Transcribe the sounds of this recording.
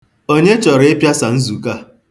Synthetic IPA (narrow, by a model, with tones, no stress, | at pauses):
o˦ɲe˦t͡ʃɔ˨ɾe˦pja˦sa˨n̩˦zu˨ka˦